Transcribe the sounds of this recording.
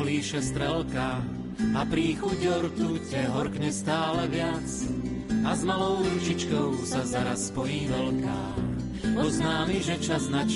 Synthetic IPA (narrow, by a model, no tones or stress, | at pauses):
liːʃɛst̪ɾɛlka | apɾiːxuɟɔɾt̪ucɛɦɔɾkɲɛst̪aːlɛʋɪat͡s | azmalɔʊɾuʒit͡ʃkɔʊsazaɾasːpɔjiːʋɛlka̰ːx | pɔznaːmiʒɛt͡ʃaznat͡ʃ